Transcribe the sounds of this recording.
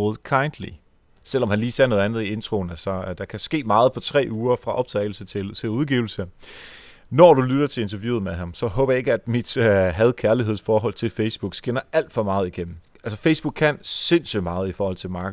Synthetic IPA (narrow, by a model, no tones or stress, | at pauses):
oð̩ˠkʰɑ̈ɪnd̥lḭ | sel̰ɒ̽mhænliːse̝ɐno̽ð̞ˠænð̞̩ˠie̝nt͡sʰʁo̝nælsɒd̥ɑ̈kʰæsɡ̥e̝̰ːmɑ̈ːð̩ˠpʰɒ̽t͡sʰʁɛ̰ːʔuːɐfʁɑ̈ʔɒ̽b̥̚t͡sʰɛ̰ɪl̩sət͡sʰe̝lt͡sʰe̝luðˠɡ̥ḭʊl̩sə | nɒd̥ulyɾ̥ɐt͡sʰe̝e̝nt͡sʰɐʋjṵːð̩ˠmeɦɑ̈msɒ̽hɔːb̥ɐjɑe̝ɡ̥əæd̥mid̥ɦæð̞ˠkʰæɐliɦḛsfɒːɦɒ̽l̰t͡sʰe̝lfeɪsb̥uɡ̥sɡ̥enɐæl̰d̥fɒ̽mɑ̈ːð̩ˠiɡ̥em̰m̩ | ælsəfeɪsb̥uɡ̥kʰːænse̝n̰symɑ̈ːð̩ˠifɒːhɒ̽l̰t͡sʰe̝mɑ̈ːɡə